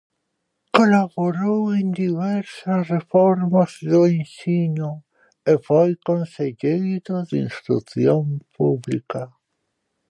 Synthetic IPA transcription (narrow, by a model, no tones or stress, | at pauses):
kolaβoɾowend̪iβɛɾsasrefɔɾmazðoensiɲʊ | efojkõnseʎejdoðinst̪ɾṵθjompuβlika